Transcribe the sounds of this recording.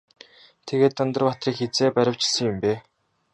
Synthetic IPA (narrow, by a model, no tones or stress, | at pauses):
t̪ʰeɣeːt̪ːœnt̪ɞ̆rpat̪rʲiːkxet͡seːpæɾʲə̆w̥t͡ɕɪ̥̆ɮsə̆ŋjʊmpeː